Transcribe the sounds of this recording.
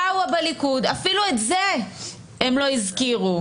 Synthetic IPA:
auabalikud̪afiluetze | emlo̞izkiʁu

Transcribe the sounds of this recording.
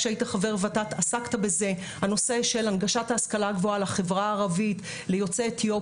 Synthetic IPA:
ʃeaitaχave̞ʁvatatasaktabe̞ze̞ | hano̞se̞ʃe̞lanɡaʃataːskalaɡvo̞alaχevʁaːʁavit | lejo̞t͡setjo̞

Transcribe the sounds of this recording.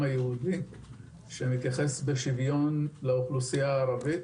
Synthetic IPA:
ajehudi | ʃemit̪jaχe̞sbeʃivjo̞nlauχlusijaːʁavit

